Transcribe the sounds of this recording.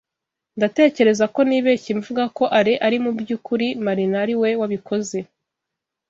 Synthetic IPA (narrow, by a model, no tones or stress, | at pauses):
ndate̞ːce̞ɾe̞zako̞niβeciɱvuɡako̞ʔaɾiʔaɾimubjuːkuɾimaɾinaɾiwe̞waβiko̞ze̞